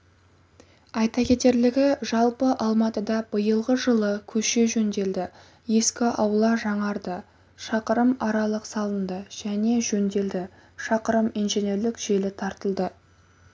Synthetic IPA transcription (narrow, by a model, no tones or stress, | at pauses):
ɑjt̪ɑkʲe̞t̪e̞ɾlɪɡʲɪʒɑlˠpəʔɑlˠmɑt̪əd̪ɑbəjəlˠʁəʒəlˠəkʲʰɵʃe̞ʒɵnd̪e̞ld̪ɪ | je̞skʲɪʔɑwəlˠɑʒɑɴɑɾd̪ə | ʃɑqəɾəmɑɾɑlˠəqsɑlˠənd̪əʒ̥æne̞ʒɵnd̪e̞ld̪ɪ | ʃɑqəɾəminʒene̞ɾlɪkʒ̥e̞lɪt̪ʰɑɾt̪əlˠd̪ə